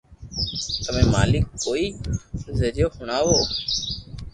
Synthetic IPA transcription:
t̪əmẽːma̰ːlɪkːoːiːzəɾjoːhʊɳaːʋoː

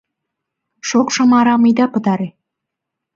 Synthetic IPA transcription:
ʃokʃɑmɑɾɑməjd̪ɑpə̆t̪ɑɾe

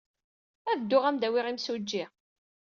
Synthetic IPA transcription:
ævd̪ːʊʁæmd̪æwɪʁimsud͡ʒːiʁ

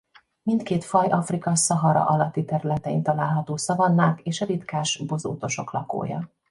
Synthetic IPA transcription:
mint̪keːt̪fɒjʔɒfrikɒsɒɦɒɾɒ̰ʔɒlɒt̪ːit̪ɛɾylɛt̪ɛint̪ɒlaːlɦɒt̪oːsɒvɒnːaːkeːʃɒɾit̪kaːʃbozo̰ːt̪o̞ʃo̞klɒko̰ːjɒ̰

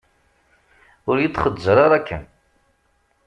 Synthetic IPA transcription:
ʊɾjit̪ːˤχəd̪zəɾˤɑɾˤækːən

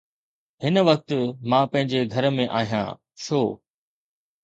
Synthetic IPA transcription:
ɦɪnə̆ʋɐk̚t̪mãːpɐ̃ɦɪ̃ɲd͡ʑeɡʱɐɾəmẽʔaːɦijã̰ː | ʃʰoː

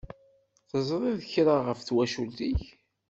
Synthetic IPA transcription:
θəzˤɾˤɪðəçɾaʁəfθwæʃult̪iç

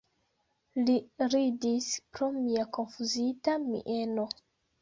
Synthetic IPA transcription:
liɾidispɾomiako̞nfuzitamḭʔeno̞

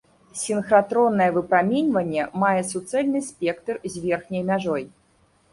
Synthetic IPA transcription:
sʲinxɾat̪ɾɔnːɐjɛvɨpɾamʲinʲvɐnʲːɛmajɛsut̪sɛlʲnɨsʲpʲɛkt̪rzʲvʲɛrxnʲɐjmʲaʐɔj

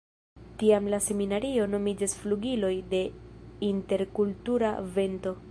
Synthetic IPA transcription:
tiamlase̞minaɾio̞no̞mid͡ʒasfluɡilo̞jde̞inte̞ɾkultuɾave̞nto̞

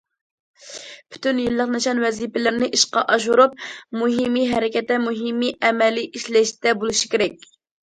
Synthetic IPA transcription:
pʰy̥t̪ynjilˠːəqnɛʃɑnwɛzipɪlɪɾnɪʔiʃqɑʔɑʃuɾup̚muɦimiɦɛɾɪkʲɛt̪ːɛmuɦimːiʔɛmɛliʔiʃlɛʃt̪ɛbolˠuʃi̥kʲeɾɛk̚ʲ

